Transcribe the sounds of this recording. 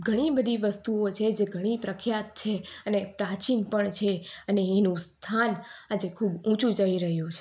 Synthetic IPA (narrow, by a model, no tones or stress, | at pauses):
ɡʱəɽ̃ibəd̪ʱiʋəst̪uot͡ʃʰed͡ʒeɡʱəɽ̃ipɾəkʰjat̪̚t͡ʃʰeənepɾat͡ʃinpəɳt͡ʃʰeəneːnũst̪ʰanad͡ʒekʰubũt͡ʃũd͡ʒəiɾəɦjũt͡ʃʰe